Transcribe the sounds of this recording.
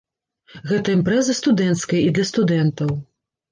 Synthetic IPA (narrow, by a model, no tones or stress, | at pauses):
ɣɛt̪ɐimpɾɛzɐst̪ud̪ɛnt̪skɐjɐid̪lʲɐst̪ud̪ɛnt̪ɐw